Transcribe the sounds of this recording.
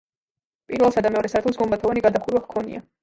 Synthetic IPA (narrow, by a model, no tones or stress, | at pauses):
pʼiɾvɛlˠsad̪amɛɔɾɛsaɾt̪ʰlɔsɡɔmbat̪ʰɔvaniɡad̪aχuɾwaχkʰɔnḭa